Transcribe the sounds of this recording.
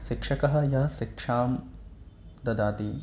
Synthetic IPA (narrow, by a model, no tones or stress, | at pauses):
ʃikʂɐkɐɦɐ̆jɐɦɐʃikʂaːm | d̪ɐd̪aːt̪i